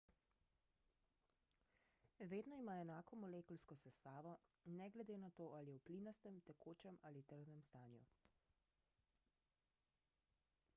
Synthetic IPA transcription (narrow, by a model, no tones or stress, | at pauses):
ʋeːd̪nɔimaɛnaːkɔmɔleːkɔlskɔsɛst̪aːʋɔnɛɡlɛd̪eːnat̪oːʔaliɛwpliːnast̪ɛmt̪ɛkʰoːt͡ʃɛmalit̪əɾd̪nɛmst̪aːnju